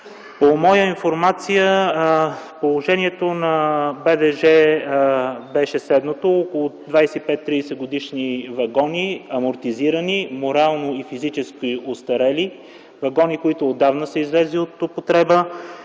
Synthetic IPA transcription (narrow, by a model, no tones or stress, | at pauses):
pomɔjəinfoɾmat̪sijə | polˠoʒɛniɛt̪onɐbɛd̪ɛʒɛ | bɛʃɛslɛd̪not̪ookolˠod̪vajsɛipɛt̪ːɾisɛɡod̪iʃnivɐɡɔniɐmoɾt̪iziɾənimoɾalˠnoifizit͡ʃɛskiost̪ɐɾɛli | vɐɡɔnikoit̪ʊːd̪ːavnəsɛizlɛziot̪opot̪ɾɛbə